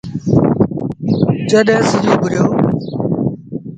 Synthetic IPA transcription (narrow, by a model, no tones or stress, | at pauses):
d͡ʒəɗɛ̃ːsɪd͡ʒoːbʱʊɾjoː